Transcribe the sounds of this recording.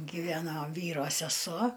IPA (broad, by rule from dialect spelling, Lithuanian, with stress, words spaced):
ɡʲɪˈʋʲæːnoː ˈʋʲiːroː sʲɛˈsuɔ